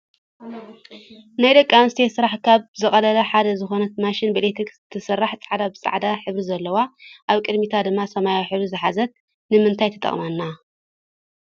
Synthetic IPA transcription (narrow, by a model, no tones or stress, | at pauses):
najd̪ɐkʼːamɨst̪ʰesɨɾaħkʰaβzɨχʼɐlɐlɐħad̪ɐzɨxo̞nɐt̪maʃɪnbɨlet̪ʰikzt̪ʰːɨsɐrːaħt͡sʼaʕd̪abɨt͡sʼa̰ʕd̪aħɨβɾizɐlːɐwaʔaβkʼɨd̪mit̪ʰad̪ɨmːasɐmajawħɨβɾizɨħazɐt̪̚ | nɨmɨnt̪ʰajt̪ʰɐt̪ʼɐ̰χʼmanːa